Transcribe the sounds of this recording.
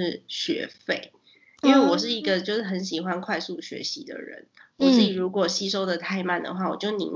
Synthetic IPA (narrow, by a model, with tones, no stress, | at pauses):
ɻ̩˥˩ɕɥɛ̰˧˥fe˥˩ɪ | i˥nwe˥˩wɔ˨˩ʂ̬ɻ̩˥˩i˧˥ɡə˧t͡ɕjo˥˧ʊʂɻ̩˥˩xə˧˥nɕi˨˩xwa˥˦nkʰwa˥˧ɪsu˥˩ɕɥɛ̰˧˥ɕi˧˥d̪ə̰˧˨ɻə̰˧˦n | wɔ˨˩t͡s̩˥˩i˨˩ɻu˧˥kwɔ˨˩ɕi˥ʂ̬o˥ʊd̪ə˨t̪ʰa˥˧ɪma˥˩nd̪ə̰˩xwa˥˩wɔ˨˩t͡ɕjo˥˩ʊnḭ˧˥˦